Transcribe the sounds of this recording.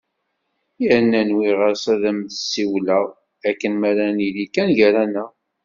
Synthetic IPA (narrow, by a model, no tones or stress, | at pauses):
jəɾnːænwiʁəɾsæðəmθəsːiwlæ | ækːənmæɾæniðikænʝæɾænæ